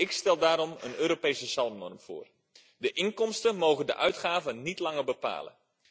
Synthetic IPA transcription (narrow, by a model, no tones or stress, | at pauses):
ɪkstɛlˠdaːɾɔmə̰nøːɾopejsəsɑlˠmnɔ̰rmv̥ʊ̰ːr | dəʔɪŋkɔmstənmoːɣəndə̰ʔœɥtχaːvənitlɑŋərbəpa̰ːlə̰